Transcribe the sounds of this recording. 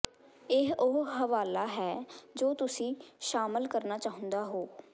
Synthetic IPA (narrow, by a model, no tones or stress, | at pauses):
ɪɦʊɦəʋaːlaːɦɛːd͡ʒoːt̪ʊsĩːʃaːməlkəɾnaːt͡ʃaːɦʊ̃nd̪aːɦoː